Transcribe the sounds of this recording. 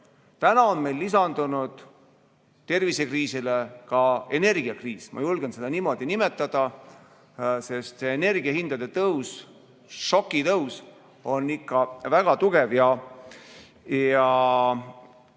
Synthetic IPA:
t̪ænɑonme̞jlːisɑnd̪̥unud̪̥ | t̪e̞rvise̞kriːsilekɑe̞ne̞rɡ̥iɑkriːsmɑ̰julɡ̥ense̞d̪ɑniːmo̞d̪̥inimet̪ːˑɑd̪̥ɑ | se̞st̪seːne̞rɡiɑɦind̪̥ɑd̪e̞t̪ɤws | ʃo̞kːit̪ɤws | o̞nːikːɑvæɡ̥ɑt̪uɡ̥e̞vjɑ | jɑ

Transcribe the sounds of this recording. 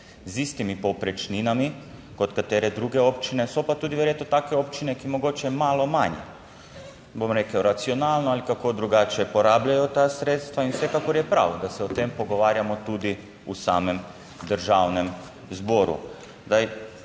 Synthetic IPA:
zist̪imipopɾɛt͡ʃninamikot̪kat̪eɾed̪ɾuɡeopt͡ʃinesopat̪ud̪iʋjeɾjet̪not̪akeopt͡ʃinekimoɡot͡ʃɛmaːlomaɲɛ̰ | bomɾekawɾat̪sionaːlnoalikakod̪ɾuɡat͡ʃiɛpoɾaːbʎajut̪asɾeːt̪st̪ʋainfsʋekakoɾjɛpɾa̰ːwd̪asɛot̪empoɡoʋaːɾjamot̪ud̪i | usa̰ːmem | d̪əɾʒaːwnem | zboɾṵ | d̪aj

